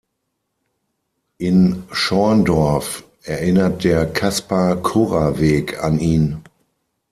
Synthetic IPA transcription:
ʔɪnʃɔɐndɔɐf | ʔɛɐʔɪnɐt̚d̥eːɐkʰaspakʰoːʁaveːkʰa̰niːn

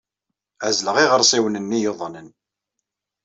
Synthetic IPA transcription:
æzləʁiʁəɾˤsˤiwnənːijoðˤnən

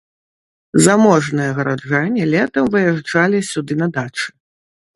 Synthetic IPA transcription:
zamɔʐnɨjɐɣɐɾad͡ʐanʲːɛlʲɛt̪ɐmvɨjaʐd͡ʐalʲisʲud̪ɨnɐd̪at͡ʂɨ̥

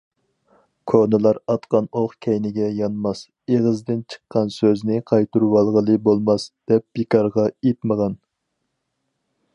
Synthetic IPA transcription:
kʰonɨlˠɑɾɑt̪qɑnoχkʲʰɛjnɪɡʲɛjɑnmɑs | eʁəzd̪ɪnt͡ʃʰə̥qːɑnsøznɪqʰɑjt̪uɾwɑlˠʁəlˠɨbolˠmɑsd̪̥ɛp̚b̥ekʰɑɾʁɑet̪məʁɑn

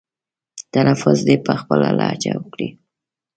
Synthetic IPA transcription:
t̪anafʊzd̪epəxpəlalat͡ʃawəkɽi

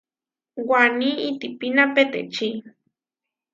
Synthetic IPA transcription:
waniːt̪ipinapet̪ḛt͡ʃi

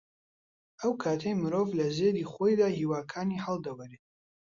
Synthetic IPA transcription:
əwkʰaːt̪ʰejmɨɾoːvlɐzed̪iːχojd̪aːhiːwaːkʰaːnihɐlˠd̪ɐwɐɾe

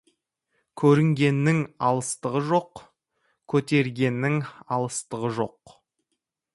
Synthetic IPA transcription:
kʲʰɵɾɪŋɡʲe̞nːɪŋɑlˠəst̪əʁəʒo̞q | kʲʰɵt̪e̞ɾɡʲe̞nːɪŋɑlˠəst̪əʁəʒo̞q

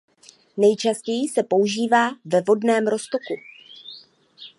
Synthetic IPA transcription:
nɛjt͡ʃascɛjisɛpo̞uʒiːvaːvɛvo̞dnɛːmɾo̞st̪o̞ku

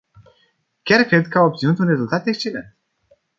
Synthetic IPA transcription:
kʲarkɾe̞d̪̚kəaop̚t̪sinut̪unre̞zult̪at̪e̞kst͡ʃe̞lḛnt̪

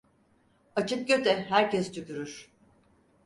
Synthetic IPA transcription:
at͡ʃʰɯk̚ɟø̞t̪ʰɛɦæɾcɛst͡ʃʰycʲyɾyɾ̥

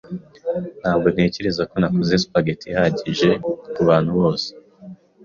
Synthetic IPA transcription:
n̥haːbɡon̥he̞ːceɾezako̞nakozespaɡetʰihaɟiʒe̞kuβaːn̥huβo̞ːse̥

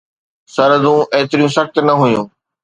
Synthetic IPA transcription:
sɐɾəd̪ũʔeːt̪ɪɾijũsɐxt̪nɐɦujũː

